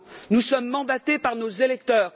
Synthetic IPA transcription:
nusɔmːɑ̃d̪at̪epaʁnozelɛk̚t̪œːʁ

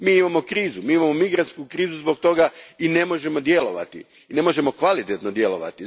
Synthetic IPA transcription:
miːimamo̞kɾiːzumiːimamo̞miɡɾant̪skukɾiːzuzbo̞k̚t̪o̞ɡaine̞mo̞ʒe̞mo̞d̪je̞lo̞ʋa̰t̪ḭ | ine̞mo̞ʒe̞mo̞kʋalit̪et̪nod̪je̞lo̞̰ʋa̰t̪i

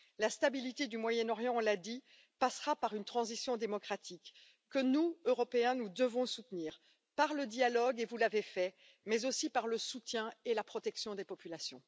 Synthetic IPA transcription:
last̪abilit̪ed̪ymwajɛnɔʁjɑ̃ɔ̃lad̪i | pasχapaʁynt̪χɑ̃zisjɔ̃d̪emɔkχat̪ʰikː | ənuøʁɔpeɛ̃nud̪əvɔ̃sut̪niːʁ | paʁləd̪jalɔɡevulavefɛ | mɛzosipaʁləsut̪jɛ̃elapχɔt̪ɛksjɔ̃d̪epɔpylasjɔ̃

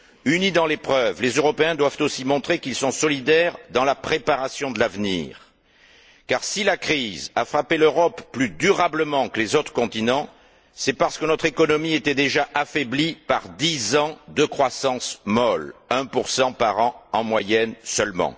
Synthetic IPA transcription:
ynid̪ɑ̃lepχœvlezøʁɔpeɛ̃d̪wavt̪osimɔ̃t̪χekilsɔ̃sɔlid̪ɛʁd̪ɑ̃lapχepaʁasjɔ̃d̪əlavnḭʁ | kaʁsilakχiza̰fχapeløʁɔpːlyd̪yʁabləmɑ̃kəlezot̪χə̥kɔ̃t̪inɑ̃ | sɛpaʁsə̥kənɔt̪χekɔnɔmiet̪ɛd̪eʒaʔafɛblipaʁd̪izɑ̃d̪əkχwasɑ̃smɔlɛ̃puʁsɑ̃paʁɑ̃ɑ̃mwajɛnsœlmɑ̰̃

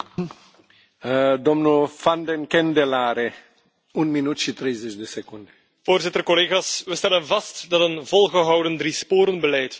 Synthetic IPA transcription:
d̪omnufand̪enkend̪elaɾe | unminut̪ʃit̪ɾejzet͡ʃd̪esekund̪e | v̥oːrzɪtərkoleːɣasʋəst̪ɛlənvɑstdɑtənvɔlˠɣəɦɑwdənd̪ɾispoːɾənbəlɛjt

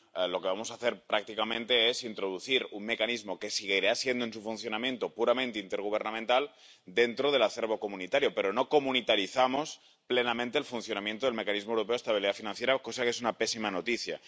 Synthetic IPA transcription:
lo̞keβamosaθe̞ɾpɾak̚t̪ikamẽ̞nt̪e̞esint̪ɾoðuθiɾunme̞kanizmo̞ke̞siɣ̞eiɾasje̞nd̪oens̬ufunθjo̞namje̞nt̪opuɾamẽnt̪eint̪e̞ɾɣ̞uβ̞eɾnament̪al | d̪e̞nt̪ɾoð̞e̞laθe̞ɾβo̞komunit̪aɾjo̞pe̞ɾonokomunit̪aɾiθamo̞s | plenamẽnt̪eːlfunθjo̞namje̞nt̪oðelme̞kanizmoewɾopeoest̪aβ̞iliðafinãnθjeɾako̞sakee̞sunape̞simanot̪iθja̰

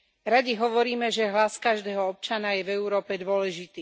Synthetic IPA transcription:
ɾaɟiɦɔʋɔɾiːmɛʒɛɦlaskaʒd̪ɛːɦɔɔp̚t͡ʃanajɛvɛuɾɔːpɛd̪ʊɔlɛʒit̪iː

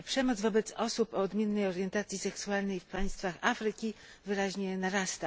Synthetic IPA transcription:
pʂɛmɔd̪zvɔbɛt̪sɔsupɔːd̪mʲjɛnːɛjɔɾjɛnt̪at̪sʲjisɛksualnɛjfpaj̃st̪faxafɾɘkʲi | vɘɾaʑɲɛnaɾast̪a

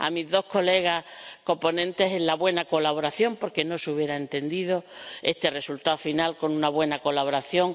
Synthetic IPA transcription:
a̰mizðo̞hko̞le̞ɣ̞ako̞po̞nẽ̞nt̪e̞senllaβwe̞nako̞laβ̞o̞ɾaθjo̞mpo̞ɾke̞no̞suβje̞ɾaent̪e̞nd̪iðo̞e̞st̪e̞re̞sult̪aofinalko̞nũnaβwe̞nakolaβoɾaθjo̞ŋ

